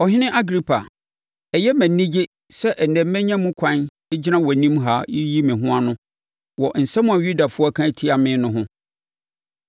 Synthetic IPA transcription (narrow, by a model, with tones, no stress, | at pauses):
ɔ˨hɪ˦nɪ̃˦ʔa˦ɡɾi˦pʰa˨ | ɛ˨jɛ˦mæ̃ː˨˦ĩ˦d͡ʑɪ˦ | sɛ˦ʔn̩˨ɛ̃˨m˦mɛ̃˦ɲã˦mũ˦kʷʰã˦n | ɛ˦d͡ʑi˦nã˦wɔ˨nĩ˦mɦa˦jɪ˦ji˦mɪ̃˨ɦʊ̃˦a˦nʊ̃˦ | wɔ˨n̩˨sɛ˦mʊ̃˦a˨ɥu˦da˨fʊ˦ɔ˦kʰã˦˨tʰi˦a˨mɪ̃˦nʊ̃˦ɦʊ̃˦